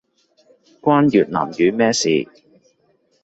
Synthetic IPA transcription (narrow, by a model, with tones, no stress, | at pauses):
kʷwaː˥njyː˨˩t̚na̰ː˨˩mjyː˨˦mɛː˥sḭː˨˩